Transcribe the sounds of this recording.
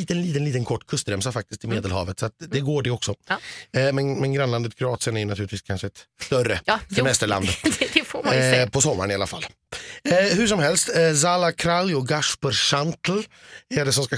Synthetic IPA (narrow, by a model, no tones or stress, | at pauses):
iːt̪ənliːt̪əniːt̪ənkʰɔʈːkʰɵst̪ɾɛmsafak̚t̪ɪskt̪ɪmeːd̪əlhɑ̰ːvət̪sɔat̪̚d̪ɛɡoːɖɛɔksɔ | mɛnmɛnɡɾanland̪ət̪kʰɾʊɑːt̪sɪənæɾjʏnat̪ʰʉːlɪt̪viːskʰanʂəɛt̪st̪œrəsɛmɛst̪əɭa̰nd̪d̪ɛfpʰɔsɔmːaɾɳɪalafa̰lː | hʉʂ̬ɔmɦɛlst̪zalakʰɾaljɔɡaʂpɔɾʂant̪lɛɖɛsɔmska